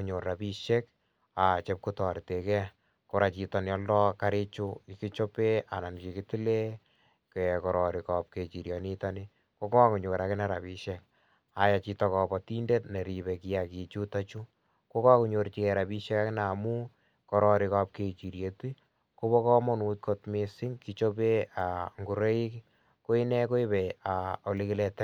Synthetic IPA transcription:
uɲo˨ɾa˨bi˦ʃe˦k | a˨t͡ʃe˦p̚ku˦tɔ˨ɾte˨kɛ˦ | ko˦ɾʔa˨t͡ʃi˨tɔ˨n˨ɔ˦ldɔ˦ka˦ɾi˦t͡ʃu˦i˨ki˦t͡ʃo˦pe˦a˨na˨nki˨kiti˦le˦ | ko˨ɛ˨kɔ˨ɾɔ˨ɾi˨kap̚ke˨t͡ʃi˨ɾjɔ˨ni˦tɔ˦ni˦ | ko˦kɔ˦ku˨ɲo˨ɾa˨kɪ˦na˦ɾa˨pi˦ʃe˦k̚ | a˨ja˨t͡ʃi˦tɔ˦kɔ˨bɔ˨ti˦nde˦tne˨ɾi˨βe˨ki˦a˨ki˨t͡ʃu˦ta˦t͡ʃu˦ | ko˦kɔ˦ku˨ɲo˧ɾt͡ʃi˨kɛ˨ɾa˨pi˦ʃɛ˦ka˦kɪ˦na˨mu˦ | kɔ˨ɾɔ˨ɾɪ˨ka˦p̚ke˨t͡ʃi˨ɾje˨twi˦ | ko˦βɔ˦kɔ˦mɔ˦nu˨t̚kʰo˦tmesɪ˦ŋki˦t͡ʃo˦pe˦a˨ŋɡu˨ɾe˦i˦k | ko˦i˦ne˦ko˦i˦be˨ao˨li˦kɪ˦lɛ˨tɛ˦

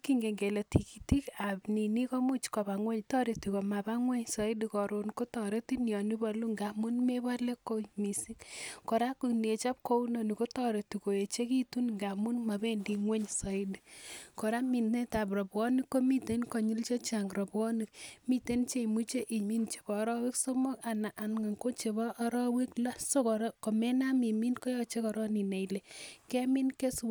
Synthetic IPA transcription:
ki˦ŋɡe˨ŋɡe˨le˨tʰi˨ki˨ti˦ka˨pni˨ni˦ko˦mu˦t͡ʃkɔ˨ba˨ŋwe˦ɲtɔ˦ɾe˨tu˨ko˨ma˨ba˦ŋwe˦ɲsɔ˦i˦di˦kɔ˨ɾo˨nko˦tɔɾe˦ti˦njɔ˨ni˦ba˦lu˦ŋɡa˨mu˦nme˦βa˦le˦kːo˦mi˨si˦kkɔ˨ɾa˦ku˨n˨e˨t͡ʃa˦p̚ko˦u˦nɔ˨ni˨ko˦tɔ˦ɾe˨tu˨ko˨e˨t͡ʃe˦ki˦tu˦nŋɡa˨mu˦nma˨be˦ndi˨ŋwe˦ɲsɔ˨i˦dikɔ˨ɾa˦mi˨nne˦ta˨prɔ˨pɔ˦ni˦kːo˦mi˦te˨˦nkɔ˨ɲi˦lt͡ʃe˦t͡ʃa˨ŋrɔ˨pwɔ˦ni˨kmi˦te˦nt͡ʃe˦i˨mu˦t͡ʃe˦ʔi˨mi˦nt͡ʃe̥˨bɔ˨˦ɾɔ˦we˦kso˦mɔ˦ka˨na˨ʔa˨nŋa˨ŋko˦t͡ʃe˨bɔ˦ʔːɾɔ˦we˦kla˦so˦kɔɾko˨me˦na˦mi˨mi˦nkɔ˦jɔ˨t͡ʃe˦kɔ˨ɾɔ˦ni˨nɛ˨jle˨kɛ˦mi˦nke˦sw

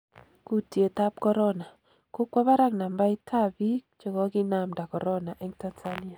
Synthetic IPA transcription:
ku˦tje˨t̪a˦p̚kɔ˦ɾɔ˦na˨ | ko˦kwa˦ba˦ɾa˦ŋna˨mba˦i˦tʰa˦bi˦t͡ʃɔ˦kɔ˦kɪ˦na˨mda˨kɔ˨ɾɔ˦na˨ʔɛ˦ŋta˦nsa˦ni˦a˨

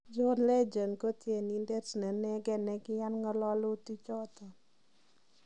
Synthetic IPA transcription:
d͡ʒɔ˦nlɛ˦d͡ʒo˨nko˦tje˨ni˨nde˦tnɛ˨nɛ˦ɡɛ˦nɛ˨ɡɪ˦ja˦nŋɔ˦lɔ˦lʊ˦ti˦t͡ʃɔ˦tɔ˨

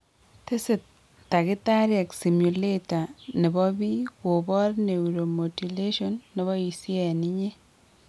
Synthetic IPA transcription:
te˦sɪ˨tː | a˨kɪ˦ta˦ɾjɛ˨ksi˨mju˨le˦ta˨ne˨bɔ˦bi˦ko˨bɔ˦rne˨uɾo˨mo˨ti˨le˦ʃo˦nːe˨βɔ˦i˨si˦ɛ˨ni˦ɲe˦

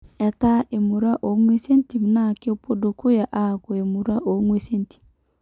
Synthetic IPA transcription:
ɛ˨ta˦ʔe˨mu˨ɾa˦ʔo˨˦ŋwe˦se˦n˦ti˨m˨na˦˨ke˦po˦do˨kʊ˦ja˨ʔa˦˨kɔ˨e˨mu˨ɾa˦ʔo˨˦ŋwe˦se˦nti̥˨

